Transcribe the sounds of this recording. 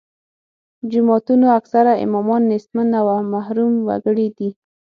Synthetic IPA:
d͡ʒʊmɑt̪unoaksaɾaɪ̰mɔmɑnːesmanawamahɾumwa̰ɡəɽid̪i

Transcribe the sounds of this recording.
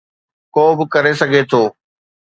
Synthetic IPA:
koːbɪkɐɾesɐɡʱet̪ʰoː

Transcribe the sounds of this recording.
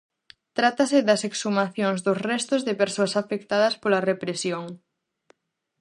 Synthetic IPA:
t̪ɾat̪ɐsɪd̪ɐseksumaθjoŋzðʊsrɛst̪ozðɪpeɾsoɐsafek̚t̪aðɐspolɐrepɾesjoŋ

